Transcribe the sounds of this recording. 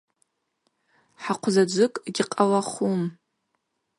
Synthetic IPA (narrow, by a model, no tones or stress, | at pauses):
ħaqʷʰʊzad͡ʒʷʊkʼɡʲɪqʼalaχum